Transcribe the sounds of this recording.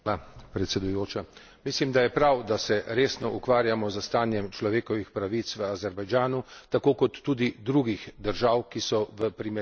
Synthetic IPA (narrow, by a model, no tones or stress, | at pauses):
apɾɛt̪sɛd̪ujoːt͡ʃa | mislimd̪ajɛpɾawd̪asɛɾeːsnɔʔukʋaːɾjamɔzəst̪aːnjɛmt͡ʃlɔʋeːkɔʋixpɾaʋit̪sʋəazɛɾbajd͡ʒaːnut̪akoːkɔt̪ːuːd̪id̪ɾuːɡixd̪əɾʒaːwkisɔʋəpɾimɛ